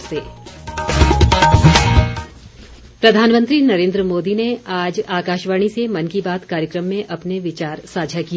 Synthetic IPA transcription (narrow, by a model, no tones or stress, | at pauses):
seː | pɾɐd̪ʱaːnmə̃nt̪ɾinɐɾẽːnd̪ɾəmoːd̪ineaːd͡ʒaːkaːʃʋaːɽ̃isemɐnkibaːt̪kaːɾjəkɾəmːẽʔɐpneʋɪt͡ʃaːɾsaːd͡ʒʱakia